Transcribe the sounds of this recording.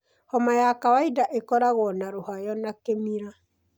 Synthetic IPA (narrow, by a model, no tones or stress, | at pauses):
hɔmajakawaidaʔekɔɾaɣɔnaɾohajɔnakemiɾa